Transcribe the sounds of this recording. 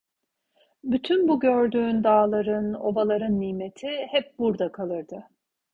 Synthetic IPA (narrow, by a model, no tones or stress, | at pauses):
byt̪ʰynbuɟøɾd̪yːnd̪aːlˠaɾɯno̞̰balˠaɾɯnːiːme̞t̪ʰihɛp̚buɾd̪akʰalˠɯɾd̪ɯ